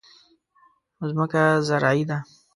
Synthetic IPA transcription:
ʊzməkazaɾaːid̪a

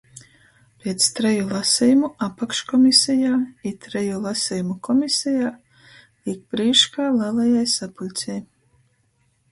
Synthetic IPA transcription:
pʲiɛt̪st̪ɾɛjulˠasʲijumuapakʃkɔmʲisʲɛjaːit̪ɾɛjulˠasʲɛjumukʰɔmʲisʲɛjaː | ik̚b̥ɾiːʃkaːlɛːlˠɛjajsapulʲt̪sʲɛj

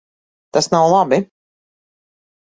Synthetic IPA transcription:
t̪asnawlˠabi

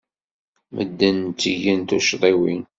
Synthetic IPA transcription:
mʔə̰d̪ːənt͡s̪ːiʝənt̪uʃɾˤiwin

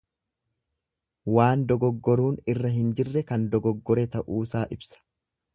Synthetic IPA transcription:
waːnd̪ɔɡɔɡːɔɾuːnɪrːɐɦɪnd͡ʒɪrːɛkɐnd̪ɔɡɔɡːɔɾɛt̪ɐʔuːsaːʔɪbsɐ̥

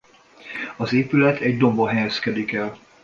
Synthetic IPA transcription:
ɒzeːpylɛt̪ʰɛɟd̪o̞mboɦɛjɛskɛd̪ikɛl

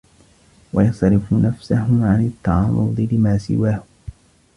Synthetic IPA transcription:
wɑjɑsˤɾɪfʊnafsahʊʕanat̪ːɑʕɑːɾˤʊd̪ˤɨlɪmaːsɪ̰waːh

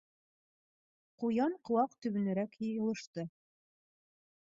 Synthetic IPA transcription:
qujɑɴqŏwɑqt̪ɵ̆βɵ̆næɾækjɤjɤ̆lˠɤ̆ʃt̪ɤ

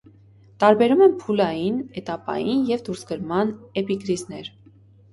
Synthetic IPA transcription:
t̪ɑɾbɛɾumɛnpʰulɑjinɛt̪ɑpɑ̰jinjɛvd̪uɾsɡəɾmɑnɛpikɾiznɛɾ

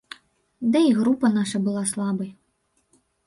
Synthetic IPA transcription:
d̪ɛiɣɾupɐnaʂɐbɨlˠaslˠabɐj

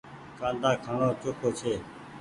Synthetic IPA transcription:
kãːnd̪ʱaːkʰaːnõːt͡ʃoːkʰoːt͡ʃʰeː

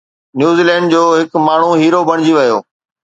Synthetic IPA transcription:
njuːziːlɛ̃ːɳɖd͡ʑoːɦɪkmaːɳ̤ũɦiːɾobɐɽ̃ɪd͡ʑiʋɐjoː

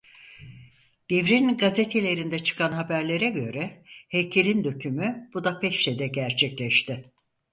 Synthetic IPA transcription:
d̪̥evɾinɡazet̪ʰe̞lʲe̞ɾind̪ɛt͡ʃʰɯ̥kʰanɦabæɾlʲe̞ɾɛɟø̞̰ɾɛhejcʰelʲind̪ø̞cʰymyb̥ud̪apʰɛʃt̪ed̪ɛɟæɾt͡ʃʰɛclʲɛʃt̪ɪ

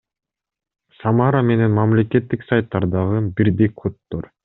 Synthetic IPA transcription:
sɑmɑɾame̞ne̞nmɑmlʲe̞ke̞t̪ːiksajt̪ːɑɾd̪ɑʁɯbiɾd̪ekʰot̪ːoɾ

